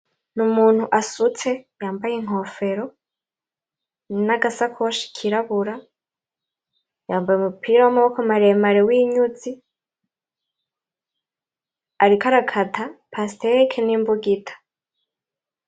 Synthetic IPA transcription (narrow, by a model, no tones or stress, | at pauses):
numuːn̥huʔasut͡sejaːmbajeŋ̥ɦo̞ːfe̞ɾo̞ | naɡasakʰuwaʃi̥kʰiɾaβuɾa | jaːmbajumupʰiːɾawamaβokomaɾeemaɾewiːɲuzi | aɾikaɾakʰatʰapʰastekʰenimbuɡitʰḁ